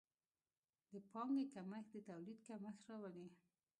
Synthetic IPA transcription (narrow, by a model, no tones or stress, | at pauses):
d̪əpɑŋɡekaməxd̪ət̪awlid̪kaməxɾɑwali